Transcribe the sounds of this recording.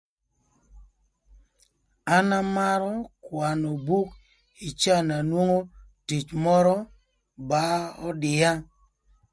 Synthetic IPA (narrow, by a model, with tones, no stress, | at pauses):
a˦na˦ma˦ɾɔ˦kwa˨no˨bu˦k | i˨t͡ʃa˦˨na˨nwo˦ŋo˦ti˨t͡ʃmɔ˦ɾɔ˦ | ba˦ɔ˦dɪ˨a˦